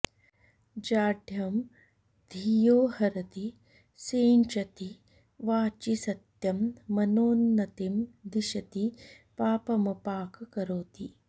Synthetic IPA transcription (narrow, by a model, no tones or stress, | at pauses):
d͡ʒaːɖʱjɐm | d̪̥ʱijoːhɐɾɐt̪i | seːnt͡ʃɐt̪i | ʋaːt͡ʃisɐt̪jɐmːɐnoːnːɐt̪imd̪iʃɐt̪i | paːpɐmɐpaːkɐkɐɾoːt̪i